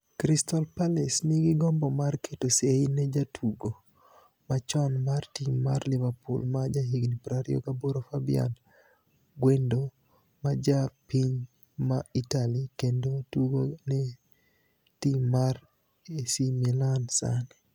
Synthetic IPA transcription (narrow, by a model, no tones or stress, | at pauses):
kɾistɔlpalɛsnɪɡɪɡɔmbɔmarketoseinɛd͡ʒatʰuɡo | mat͡ʃɔnmartimːarlɪvapṵlmad͡ʒaɦiɡnipɾaɾio̰kaboɾofabḭa̰n | ɡwendo | mad͡ʒapiɲ | maitalikendotuɡonɛ | timːar | esimilansa̰nɛ